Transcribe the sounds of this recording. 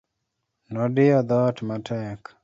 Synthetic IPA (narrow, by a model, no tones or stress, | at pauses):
nɔdɪɔd̪ɔtmatʰɛk